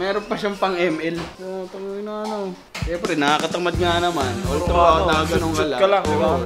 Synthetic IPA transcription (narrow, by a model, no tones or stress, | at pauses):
mɛːɾonpɐʃaŋpɐŋʔɛmɛlot̪ɐŋɪnoŋɐno | ʃɛmpɾɛnɐakɐt̪ɐmɐd̪̚ŋanɐmanoɐaɡɐnoŋkɐlakːɐlakɪba